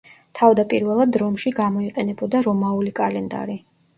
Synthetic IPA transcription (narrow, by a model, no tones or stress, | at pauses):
t̪ʰavd̪apʼiɾvɛlˠad̪ɾɔmʃiɡamɔiqʼɛnɛbɔd̪aɾɔmaulikʼalɛnd̪a̰ɾi